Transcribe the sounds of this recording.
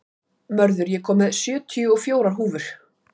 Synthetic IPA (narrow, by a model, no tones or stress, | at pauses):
mœɾðʏɾjɛkʰɔːmɛðsjœːt̪ʰʏjʏɔɣfjoːwɾaɾ̥ɦuːvʏɾ̥